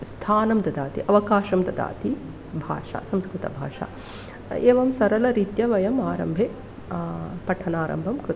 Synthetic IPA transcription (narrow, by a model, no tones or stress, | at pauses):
st̪ʰaːnɐmd̪ɐd̪aːt̪ḭʔɐʋɐkaːʃɐmd̪ɐd̪a̰ːt̪i | bʱa̰ːʂa̰sɐmskɾut̪ɐ̰bʱa̰ːʂa̰ː | eːʋɐmsɐɾɐlɐɾit̪jɐʋɐjɐmaːɾɐ̰mbʱe | pɐʈʰɐnaːɾɐ̰mbʱɐmkɾu